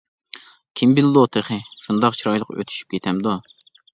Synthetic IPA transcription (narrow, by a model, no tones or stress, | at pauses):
kʲʰimbild̪ot̪ʰɨχɨʃund̪ɑqt͡ʃʰiɾɑjlˠəqø̰t̪ʰy̥ʃy̥p̚kʲet̪ʰɛmd̪u